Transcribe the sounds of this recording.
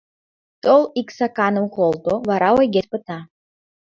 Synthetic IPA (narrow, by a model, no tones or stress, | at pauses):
t̪olˠiksakɑnə̆mqolˠt̪oβɑɾɑwejɡʲet̪̚pə̆t̪ɑ